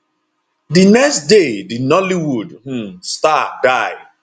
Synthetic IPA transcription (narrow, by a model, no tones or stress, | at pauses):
dinɛkstdedinɔliwudm̩stadaɪ